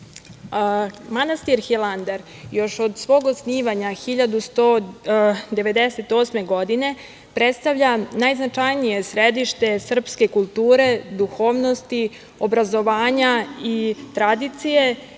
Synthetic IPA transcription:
manast̪iɾxilˠand̪eɾ | jo̞ʃod̪sʋo̞ːɡosniːʋaɲaxiʎad̪ust̪o | d̪e̞ʋe̞d̪e̞se̞t̪o̞ːsme̞ɡo̞d̪ine̞ | pɾe̞t̪st̪aʋʎanajznat͡ʃajnije̞sɾed̪iʃt̪e̞sr̩pske̞kulˠt̪uːɾe̞d̪uxoːʋno̞st̪i | o̞bɾazo̞ʋaːɲait̪ɾad̪it̪sije̞

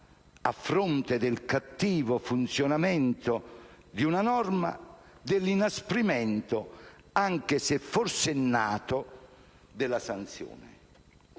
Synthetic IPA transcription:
a̰fːɾont̪ɪd̪ɪlkat̪ːiːvofunt̪sjonamɛnt̪o | d̪iunanɔrma̰ | d̪ɪlːinaspɾimɛnt̪ʊ | aŋk̟esɪfːorsɛnːaːt̪ʊ | d̪ɪlːasant̪sjo̰ːnɪ̰

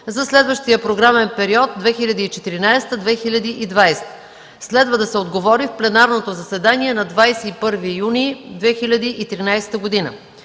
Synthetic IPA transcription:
zɐslɛd̪vəʃt̪ijəpɾoɡɾamɛnpɛɾiɔt̪̚d̪vɛxilʲɐd̪iiːt͡ʃɛt̪iɾinajst̪əd̪vɛxilʲɐd̪iʔid̪vajst̪ə̥ | slɛd̪vəd̪ɐsɛod̪ɡovɔɾifplɛnaɾnot̪ozɐsɛd̪aniɛnɐd̪vajsɛipɤɾvijunid̪vɛxilʲɐd̪iʔit̪ɾinajst̪əɡod̪inə̰

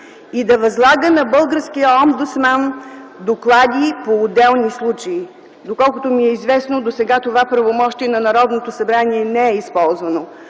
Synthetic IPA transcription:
id̪ɐvɐzlˠaɡənɐbɤlˠɡəɾskijəɔmd̪ʊt̪smand̪oklˠad̪ʲipoːd̪ɛlˠnislˠut͡ʃəi | d̪okɔlˠkʊt̪omiɛizvɛsnod̪osɛɡat̪ovapɾɐvomɔʃt̪iɛnɐnɐɾɔd̪not̪osɐbɾaniɛnɛɛispɔlˠzvɐno

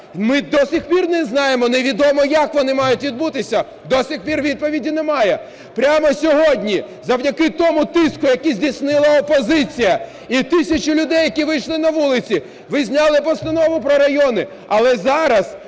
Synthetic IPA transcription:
mɪd̪ɔsʲixpʲirnɛznɑjemɔneʋʲid̪ɔmɔjɐkʋɔnɪmɑjʊtʲʋʲid̪̚but̪ɪsʲɐ | d̪ɔsʲixpʲirʋʲid̪̚pɔʋʲidʲinɛmɑjɛ | pɾʲamɔsʲɔɦɔdʲnʲi | zɐwdʲɐkɪt̪ɔmʊt̪ɪskʊjɐkizʲdʲisnɪlˠɐɔpɔzɪt͡sʲijɐ | it̪ɪsʲɐt͡ʃɪlʲʊd̪ɛjːɐkʲiʋɪjʃlˠɪnɐʋulˠɪt͡sʲi | ʋɪzʲnʲɑlˠɪpɔst̪ɐnɔʋʊpɾɔɾɐjɔnɪ | ɐlˠɛzɑɾɐs

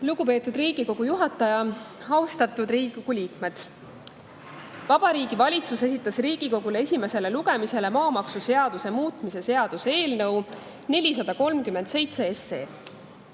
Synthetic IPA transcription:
luɡupe̞ːt̪ːˑud̪riːɡ̥iko̞ɡ̥ujuɦɑt̪ːˑɑjɑɑust̪ɑt̪ːˑud̪riːɡikoɡ̥uliːkme̞d̪̥ | vɑb̥ɑɾiːɡivɑlʲit̪suse̞s̬ʲit̪ːˑɑsriːɡ̥iko̞ɡule̞esʲime̞se̞le̞luɡ̥e̞mise̞le̞mɑːmɑksuse̞ɑd̪̥use̞muːt̪ˑmise̞se̞ɑd̪̥usee̞ːlnɤw | ne̞lʲis̬ɑd̪̥ɑko̞lmkyme̞nd̪̥se̞jt̪se̞ese̞ː

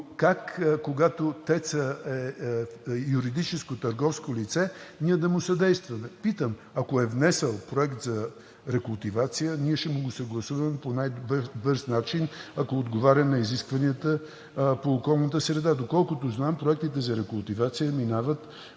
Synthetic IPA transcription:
kakkːoɡat̪ot̪ɛt̪səɛ | juɾid̪it͡ʃɛskot̪əɾɡɔfskolit̪sɛniɛd̪ɐmʊsɐd̪ɛjst̪vɐmɛpit̪əm | akoɛvnɛsɛlˠpɾoɛkt̪zɐ | ɾɛkʊlˠt̪ivat̪sijəniɛʃɛmoɡusəɡlˠɐsuvəmɛponajbɤɾsnat͡ʃinakoːd̪ɡovaɾʲəmnɐiziskvɐniət̪ə | poːkɔlˠnət̪əsɾɛd̪ad̪okɔlˠkʊt̪oznampɾoɛk̚t̪it̪ɛzɐɾɛkʊlˠt̪ivat̪sijəminavət̪

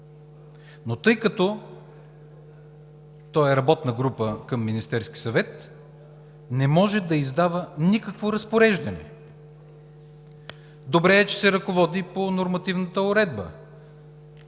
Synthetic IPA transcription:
not̪ɤjkɐt̪ɔ | t̪ɔjɛɾɐbɔt̪nəɡɾupəkəmːinist̪ɛɾsk̟i̥sɐvɛt̪ | nɛmɔʒɛd̪ɐizd̪avənikəkvoɾɐspoɾɛʒd̪ɐnɛ̰ | d̪obɾɛːt͡ʃɛsɛɾɐkovɔd̪iponoɾmɐt̪ivnət̪əʊɾɛd̪bə̰

